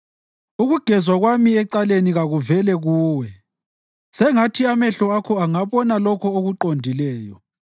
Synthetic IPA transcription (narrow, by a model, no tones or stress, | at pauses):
uɣuɡ̥ʱɛzwaɣwamiɛǀaleniɣaɣuvɛlɛɣuːwɛ | sɛŋatʰiamɛɬɔakʰɔaŋaβɔnalɔkʰɔoɣuǃondʱilɛːjɔ̰